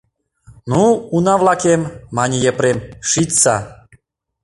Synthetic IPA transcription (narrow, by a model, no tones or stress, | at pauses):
nuunaʋlakemːaɲijɛpɾɛmʃit̪sa